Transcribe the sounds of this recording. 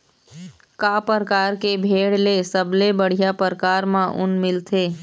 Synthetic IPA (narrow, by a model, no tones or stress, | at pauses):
kaːpəɾəkaːɾkebʱeːɽlesəblebəɽ̤ijapəɾəkaːɾmãʔʊ̰nmɪlt̪ʰeː